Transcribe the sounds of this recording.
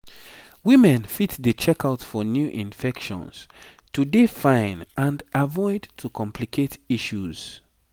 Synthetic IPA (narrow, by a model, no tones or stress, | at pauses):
wĩmɛ̃nfitdət͡ʃɛkaʊtfɔnjuʔĩnfɛkʃɔ̰̃ns | tudefãɪ̃nãndʔavɔɪdtʰukʰɔ̃mpʰlikʰetiʃuz̥